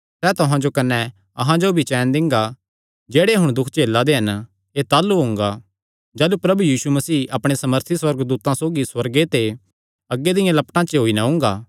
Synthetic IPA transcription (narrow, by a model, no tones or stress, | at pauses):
sɛːt̪ʊɦãd͡ʒokɐnɛ | ɐ̰ɦãd͡ʒobʱit͡ʃɛːnd̪ɪ̃ŋɡa | d͡ʒeːɽeɦʊɽ̃d̪ʊkʰt͡ʃeːlːad̪eɦɐn | et̪aːlːuɦʊ̃ŋɡa | d͡ʒɛːlupɾɐbujiːsumɐsiːʔɐpɽ̃esɐməɾt̪ʰiswɐɾɡd̪uːt̪ãsoːɡiswɐɾɡet̪e | ɐɡːed̪ɪjãlɐpʈãt͡ʃeɦoːinɐɦʊ̃ːŋ̆ɡaː